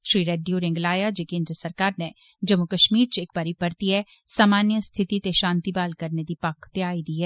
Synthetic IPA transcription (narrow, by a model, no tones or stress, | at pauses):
ʃɾiːɾeːɖijoɾɪ̃ŋɡlaːjad͡ʒekẽːnd̪ɾəsɐɾkaːɾne | d͡ʒɐmːukəʃmiːɾt͡ʃːk̚pɐɾipɐɾt̪iɦɛ | saːmaːnjəst̪ʰɪt̪it̪eʃãːnt̪ibaːlkɐɾned̪ipakʰːt̪eaːid̪iːɦɛː